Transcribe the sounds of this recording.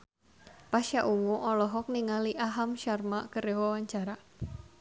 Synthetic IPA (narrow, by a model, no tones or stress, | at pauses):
paʃjaʔuwuʔɔlɔɦɔk̚niŋaliʔaɦamʃarmaʔkəɾewawaɲt͡ʃaɾa